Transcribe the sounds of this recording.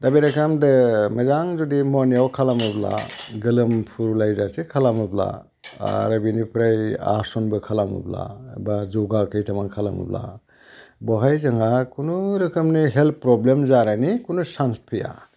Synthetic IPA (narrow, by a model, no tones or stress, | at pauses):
dabeɾakʰamdɯmɐzaŋzudimɔnijawkʰalamɯbla̰ɡɯlɯmpʰuɾlajzasikʰalamɯbla̰ | a̰ɾabinipʰɾaja̰ɾsɔnbɯkʰalamṵbla̰bazoɡakʰɯjtʰamaŋkʰala̰mṵbla̰ | bɔɦajzɐŋakʰunuɾɯkʰɯmniɦelpːɾɔblemzaɾanikʰunusanspʰɯja̰